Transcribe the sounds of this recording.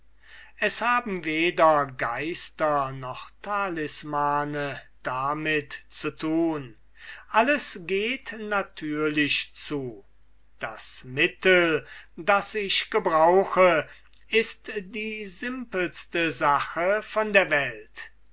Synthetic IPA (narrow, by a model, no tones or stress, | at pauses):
ʔɛshaːbm̩veːdɐɡaɪstɐnɔχtʰalɪsmaːnə | d̥amɪtt͡sutʰuːn | ʔaləsɡeːtnatʰyːɐlɪʃt͡suː | d̥asmɪtəldasɪʃɡ̥əbʁaʊxə | ɪstdiːzɪmpl̩stəzaxəfɔndeːɐvɛlt